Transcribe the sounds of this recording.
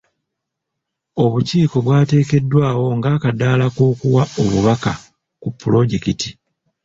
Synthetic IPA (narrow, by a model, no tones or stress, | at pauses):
o̞βuciːko̞βwaːte̞ːke̞dːwaːwo̞ŋɡaːkadaːlakoːkuwaoβuβaka | kupːulo̞ɟekiti̥